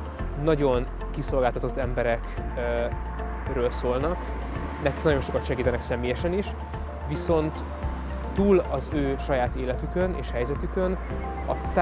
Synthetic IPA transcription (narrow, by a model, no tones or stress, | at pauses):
nɒɟo̞n | kiso̞lɡaːlt̪ɒt̪o̞t̪ːɛmbɛɾɛk | røːlsoːlnɒk | nɛki̥knɒɟo̞nʃo̞kɒt̪ʃɛɡiːt̪ɛnɛksɛmeːjɛʃɛniʃ | viso̞nt̪ | t̪ːuːlɒzøːʃɒjaːt̪eːlɛt̪ykø̞nḛːʃhɛjzɛt̪ykø̞n | ɒ̰t̪